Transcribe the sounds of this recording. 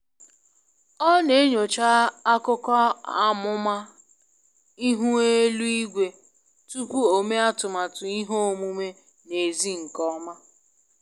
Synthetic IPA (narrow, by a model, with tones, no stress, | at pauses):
ɔ˦ne˨˦ɲo˨t͡ʃa˦a˦kʊ˦kɔ˦a˨mʊ˦ma˦ | i˦ɦu˦e˦lu˦i˦ɡʷe˨ | tu˦kʷu˦o˨me˦a˦tʊ˨ma˨tʊ˨i˦ɦo˦˨mu˦me˦ | ne˨zi˦ŋ̩˨kɔ˦ma˦